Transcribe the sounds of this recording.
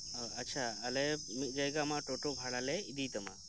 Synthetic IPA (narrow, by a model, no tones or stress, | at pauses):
ɐtːʃʰaːlɛmit̪̚d͡ʒajɡamaʈoʈobʱaɽalɛid̪it̪əma̰